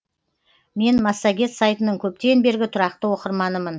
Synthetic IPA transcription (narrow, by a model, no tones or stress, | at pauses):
me̞nmɑsːɑɡʲe̞t̪sajt̪ənəɴkʲʰɵp̚t̪eɪnbe̞ɾɡʲɪt̪ʰʊɾɑqt̪əwo̞qəɾmɑnəmən